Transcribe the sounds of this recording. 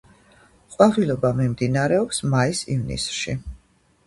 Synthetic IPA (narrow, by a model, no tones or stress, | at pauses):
qʼwaʁilɔbamimd̪inaɾɛɔpsmaisḭvnḭsʃi